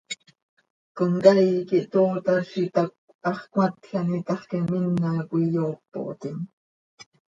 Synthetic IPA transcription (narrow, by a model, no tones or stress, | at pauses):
koŋkɑjkiʔt̪oːt̪ɑʃit̪ɑk̚ | ɑχkwat̪xanit̪ɑχkɛminːɑkʷijoʔpːo̰ʔt̪in